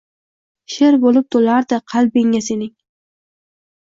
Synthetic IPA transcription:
ʃeɾbolɪp̚t̪ʰolaɾd̪ɪqʰɑlˠbeŋːasenɪŋ

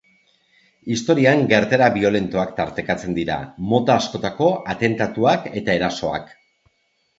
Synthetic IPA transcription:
ist̪o̞ɾiaŋɡe̞ɾt̪eɾaβio̞le̞nt̪oakt̪aɾt̪e̞kat͡se̞nd̪iɾa̰mo̞t̪aːsko̞t̪ako̞at̪e̞nt̪at̪uake̞t̪ae̞ɾaso̞a̰k

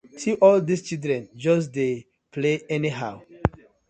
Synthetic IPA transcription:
siʔɔldist͡ʃildɹɛ̃nd͡ʒɔs̬de | pʰleɛniɦaʊ

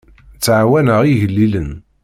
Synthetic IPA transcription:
t͡sːʕwænəʁiʝəlːilən

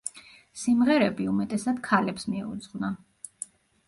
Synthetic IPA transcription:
simʁɛɾɛbiumɛt̪ʼɛsad̪̥kʰalɛpsmiɛṵd̪zʁwna

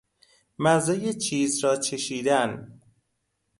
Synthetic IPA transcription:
mæzɒːjet͡ʃʰiːzɾɒːt͡ʃʰeʃiːd̪æn

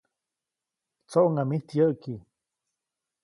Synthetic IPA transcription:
t͡soʔŋamiht̪jəʔki

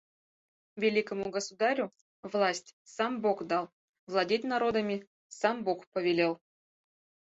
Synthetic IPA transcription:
vʲelʲikəmuɡəsud̪ɑɾʲu | vlˠasʲtʲsambokd̪ɑlˠ | vlˠadʲet̚ʲnaɾod̪əmʲi | sɑmbokpəvʲelʲelˠ

